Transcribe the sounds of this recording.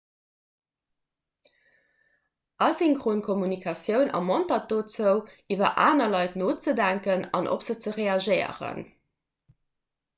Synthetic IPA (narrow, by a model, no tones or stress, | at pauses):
ʔɑsiŋkʁonkʰomunikʰɑsjəʊnɑ̰mɑntɑt̚doːt͡səʊʔivɐ̰ʔaːnɐlɑɪtnoːt͡sədæŋkənɑ̰nʔo̰pz̥ət͡səʁeɑʒɜɪə̰ʁə̰n